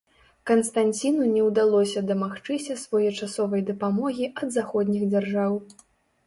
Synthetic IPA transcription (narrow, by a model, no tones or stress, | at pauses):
kɐnst̪anʲt͡sʲinunʲɛwd̪alˠɔsʲɐd̪ɐmaxt͡ʂɨsʲɐsvɔjɔt͡ʂasɔvɐjd̪ɐpamɔɣʲiʔɐd̪zaxɔd̪ʲnʲiɣd͡zʲarʐaw